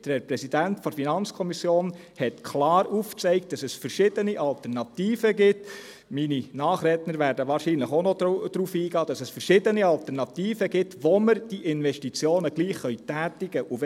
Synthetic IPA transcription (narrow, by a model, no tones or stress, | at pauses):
d̥əɛpɾɛsidæntfɔɾfinɑnt͡skʰɔmisjoːn | hɛtkʰlɑːɾuːft͡sɛɪk̚t̚d̥ɑsɛsfəɾʃɪd̥əniʔɑltɛnɑt̪iːfəɡɪt | mininɑːχɾɛtnəɾvæːɾdəʋɑːɾʃiːnləχonɔd̥ɾuːfiːɡɑːd̥ɑsɛsfəɾʃɪdəniɑlt̪ɛɾnɑt̪iːfəɡɪtʋɔməɾd̥iʔɪnʋɛʃtit͡sjoːnəɡliːχːœʏtæːtɪɡ̥əʔuv